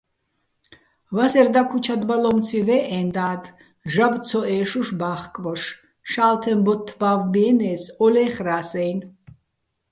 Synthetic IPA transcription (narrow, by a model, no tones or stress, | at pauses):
vasɛɾd̪akʰut͡ʃʰad̪balɔmt͡sʰivɛʔɛnd̪aːd̪ | ʒab̪t͡sʰɔʔɛːʃuʃbaːχkʼvɔʃ | ʃaːlt̪ʰɛmbɔt̪ʰːbavmiɛnɛsɔlɛːχɾaːsɛjn